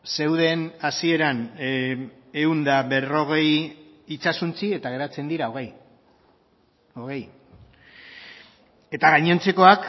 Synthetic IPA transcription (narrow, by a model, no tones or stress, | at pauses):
se̞wðe̞nasie̞ɾan | e̞und̪aβe̞ro̞ɣ̞e̞j | it͡sasunt͡sie̞t̪aɣ̞e̞ɾat͡se̞nd̪iɾaoɣej | oɣe̞j | e̞t̪aɣaɲent͡se̞ko̞ak